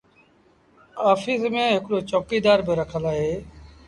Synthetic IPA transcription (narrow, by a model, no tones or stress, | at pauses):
aːfiːsmẽːɦɪkɽoːt͡ʃoːkiːd̪aːɾbɪɾəkʰəlaːɦeː